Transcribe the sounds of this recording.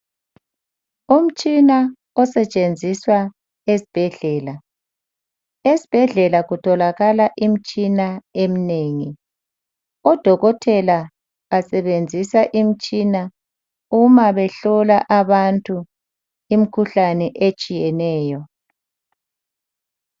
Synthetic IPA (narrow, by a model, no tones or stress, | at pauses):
um̩t͡ʃʼina | ɔsɛt͡ʃʼend͡zʱiswa | esi̥b̥ʱɛɮɛːla | esi̥b̥ʱɛɮɛlaɣutʰɔlaɣalaʔim̩t͡ʃʼinaemineːŋi | ɔd̥ʱɔɣɔtʰɛla | asɛβend͡zʱisaʔim̩t͡ʃʼina | umaβɛɬɔlaʔaβantʼu | imikʰuɬanɛʔet͡ʃʼijɛnɛːjɔ